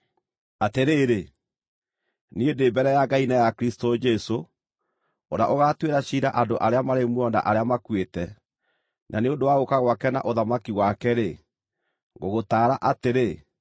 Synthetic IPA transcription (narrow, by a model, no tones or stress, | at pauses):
ateɾeːɾe | niedeːbɛɾɛjaɡainajakɾistod͡ʒɛso | oɾaʔoɣatweɾaɕiɾaʔandoʔaɾeamaɾemwɔnda̰ʔaɾeamakwetɛ | nʔa̰neondowaɣokaɣwakɛna̰ʔoðamakiɣwakɛɾe | ŋɡoɣotaːɾaʔateɾe